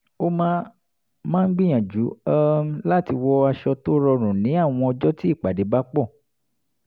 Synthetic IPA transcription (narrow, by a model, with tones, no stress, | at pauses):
o˦mãː˦ | mãː˦˧n̩˦ɡ͡bĩ˦j̃ã˨d͡ʒu˨˦a˦la˦ti˧wɔ˦a˧ʃɔ˧to˦ɾɔ˧ɾ̃ũ˨nĩ˨˦a˦˨w̃ɔ̃˧ɔ˧d͡ʒɔ˦ti˦i˦˨k͡pa˨de˨˦ba˦k͡pɔ˦˨